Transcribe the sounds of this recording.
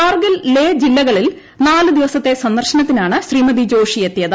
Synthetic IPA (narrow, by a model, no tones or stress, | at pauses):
aːrɡɐlleːd͡ʑilːɐɣɐɭil | naːlɨd̪iʋɐsɐt̪ːe̞sɐnd̪ɐrɕɐnɐt̪ːinaːɳɨɕriːmɐd̪id͡ʑo̞ːʂijet̪ːjɐðɨ